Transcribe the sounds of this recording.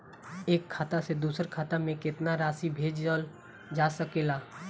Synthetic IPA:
eːkʰːaːt̪ased̪uːsəɾkʰaːt̪amẽkɪt̪naɾaːsibʱeːd͡ʒd͡ʒəl | d͡ʒaːsəkeːlaː

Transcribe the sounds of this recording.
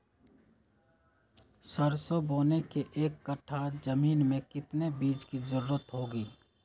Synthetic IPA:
səɾsoboːnekeʔeːkːɐʈʰaːd͡ʒəmiːnmẽkɪt̪nebiːd͡ʒkizʊɾuːɾət̪ɦoːɡiː

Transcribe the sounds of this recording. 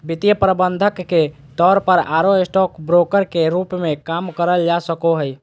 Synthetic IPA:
bit̪ijəpɾəbənd̪ʱəkːe | t̪ɔɾpəɾaɾoesʈɔkbɾokəɾkeɾupmẽkamkəɾəld͡ʒasəkoɦəj

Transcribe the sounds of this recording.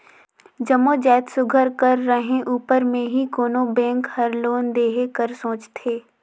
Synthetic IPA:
d͡ʒɐmod͡ʒɛːt̪sʊɡʱəɾkɐɾːəɦẽʔuːpəɾmẽɦikoːnobɛ̃ːŋkhɐɾloːnd̪eːɦekəɾsõːt͡ʃt̪ʰeː

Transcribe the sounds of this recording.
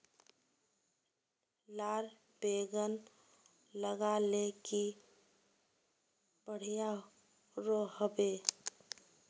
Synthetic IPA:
laɾ | beɡən | ləɡaleki | bəɽ̤ija | ɾoɦəbe

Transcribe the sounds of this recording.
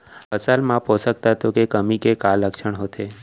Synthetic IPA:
ɦəsalmãposəkt̪at̪okekəmikekalːəkʃəɳɦot̪ʰe

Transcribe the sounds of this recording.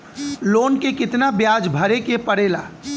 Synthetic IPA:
loːnkekɪt̪nabjaːd͡ʒbʱɐɾekepɐɽeːlaː

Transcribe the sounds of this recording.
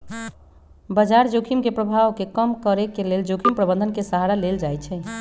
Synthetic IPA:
bəd͡ʒaɾd͡ʒokʰimkepɾəbʱaʋkekəmkəɾekeleld͡ʒokʰimpɾəbə̃nd̪ʱənkesəɦaɾaleld͡ʒajt͡ʃʰɛ

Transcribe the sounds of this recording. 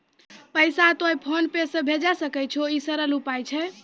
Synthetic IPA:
pəjsat̪ojpʰonpesə̃bʱed͡ʒasəkɛt͡ʃʰoisəɾəlupajt͡ʃʰɛ

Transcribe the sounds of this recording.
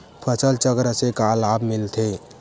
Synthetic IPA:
pʰət͡ʃəlt͡ʃəɡɾəsekalabmilt̪ʰe

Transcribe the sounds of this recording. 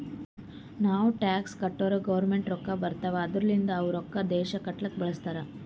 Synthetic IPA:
naːʋuʈaːkskɐʈːoːɾɐɡɐʋɐɾmeɳʈɾɔkːɐbɐɾt̪ɐʋɐːd̪ɾɐlind̪ɐːʋɐɾɔkːɐd̪ɛːʃɐkɐʈːɐlɐkːbɐɭɐst̪aːɾɐ

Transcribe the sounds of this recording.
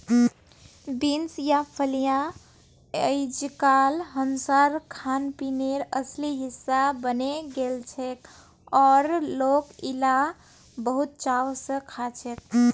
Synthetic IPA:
binsjapʰəlijã | əjd͡ʒkalɦənsaɾkʰanpineɾəsliɦisːabəneɡelt͡ʃʰek | ɔɾlokila | bəɦut̪̚t͡ʃaʋsə̃kʰat͡ʃʰek̚

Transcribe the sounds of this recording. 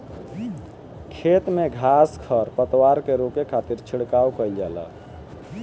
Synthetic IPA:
kʰet̪meɡʱaskʰəɾpət̪waɾkeɾokekʰat̪iɾt͡ʃʰiɽkawkəjld͡ʒɛ̰lə̰

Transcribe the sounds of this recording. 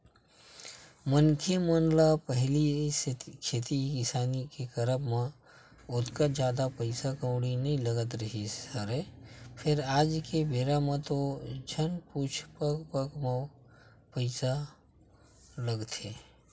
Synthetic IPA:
mənkʰemənlapəɦli | kʰeːt̪ikɪsaːnikekəɾəbmã | ʊt̪kad͡ʒjaːd̪apəɪsakə̃ʊɽinɐɦĩləɡət̪ɾəɦisəɾepʰɪɾaːd͡ʒkebeːɾamẽt̪od͡ʒʱənpuːt͡ʃʰpəkpəkma | pəɪsa | ləɡt̪ʰeː

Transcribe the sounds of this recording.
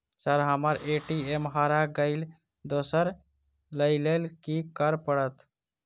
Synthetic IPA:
səɾɦəməɾeʈiemɦaːɾaɡəɪl | d̪osəɾ | ləɪlelkikəɾpəɽət̪

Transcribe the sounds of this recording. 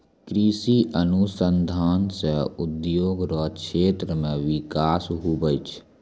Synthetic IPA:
kɾiʃiʔənusənd̪ʱaːnseʊd̪joːɡɾɔːʃeːt̪ɾəmẽʋɪkaːsɦubəjt͡ʃʰ

